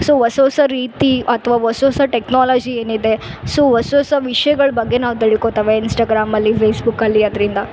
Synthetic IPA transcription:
soːʋɐsoːsɐɾiːt̪iɐt̪ʰʋaːʋɐsoːsɐʈeknaːlaːd͡ʒieːnid̪e̞soːʋɐsoːsɐʋiʂɐjɐɡɐɭɐbɐɡːe̞naːʋut̪eɭikot̪aːʋeinsʈaːɡɾaːmɐlːipʰeːsbukɐlːiɐd̪ɐɾind̪ɐ

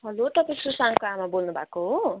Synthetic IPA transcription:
ɦʌlort̪ʌpisrusaŋkoamabolnubʱa̰koɦo

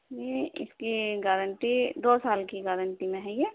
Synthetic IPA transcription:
jeɪ̰skiɡɛːɾə̃ɳʈid̪oːsaːlkiɡɛːɾə̃ɳʈimẽɦɛ̃jeː

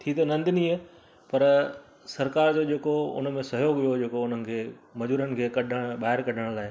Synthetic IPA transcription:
t̪ʰit̪̬ɐnɐ̃nd̪ɪnĩːə | pɐɾ | sɐɾkaːɾd͡ʑod͡ʑeːkoʊ̰nə̆mẽsɐɦjoːɡʋijoɦd͡ʑeːkoʊnənɪ̆kʰeːmɐd͡ʑuːɾənɪ̆kʰeːkɐɗʱəɽ̃ɓaːɦɪɾkɐɖʱəɽ̃laːɦɪ

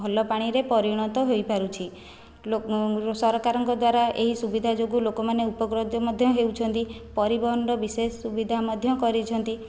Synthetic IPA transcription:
ɔlɔpaɽ̃iɾepɔɾiɽ̃ɔt̪ɔɦojpaɾut͡ʃʰi | osɔɾɔkaɾɔŋkɔd̪waɾaʔeɦisubid̪ʱad͡ʒoɡulokɔmaneupɔɡɾod̪jɔmɔd̪ʱjɔɦeuwt͡ʃʰɔnt̪ipɔɾibɔɦɔnɖɔbisesːubid̪ʱamɔd̪ʱjɔkɔɾit͡ʃʰɔnt̪i

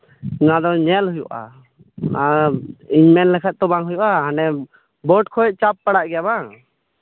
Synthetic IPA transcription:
nad̪ɔɲɛlɦujuʔa̰ | naiɲmɛnlɛkʰɛt̪̚t̪ɔbaŋɦujuʔaɦanɛ | bɔʈkʰɔʔ̚ˀt͡ʃapːaɽaʔɡɛjabaŋ

